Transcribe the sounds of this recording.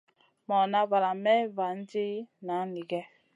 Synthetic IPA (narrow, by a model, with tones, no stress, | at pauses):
mɔ˨na˦va˨ɾa˨mɛ˦va˨n̩˦d͡ʒi˦na˨˦ni˨ɡɛ˦